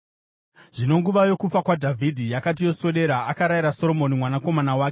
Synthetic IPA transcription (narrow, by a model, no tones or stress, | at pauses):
ʐ̥ino̞ŋɡuʋajo̞kufakwadʱavʱidʱijakat̬ijo̞swe̞ɗe̞ɾaakaɾajiɾaso̞ɾo̞mo̞nimwanako̞manawaːke